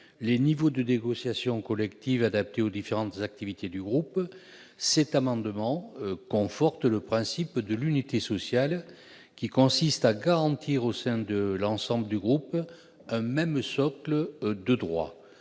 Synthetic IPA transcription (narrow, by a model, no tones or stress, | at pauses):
lenivod̪əneɡɔsjasjɔ̃kɔlɛkt̪ivad̪ap̚t̪eod̪ifeʁɑ̃t̪əzak̚t̪ivit̪ed̪yɡʁup | sɛt̪amɑ̃d̪əmɑ̃kɔ̃fɔʁt̪ləpχɛ̃sipd̪əlynit̪esɔsjal | kʲikɔ̃sist̪aɡaʁɑ̃t̪ʰiʁosɛ̃d̪əlɑ̃sɑ̃bləd̪yɡʁup | ɛ̃mɛmsɔkləd̪əd̪ʁwa̰